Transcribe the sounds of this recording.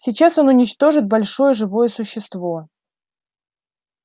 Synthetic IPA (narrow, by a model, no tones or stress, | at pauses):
sʲɪt͡ɕaso̞nʊnʲɪt͡ɕt̪o̞ʐɨt̪̚bɐlʲʂo̞jəʐɨvo̞jəsʊɕːɪst̪vo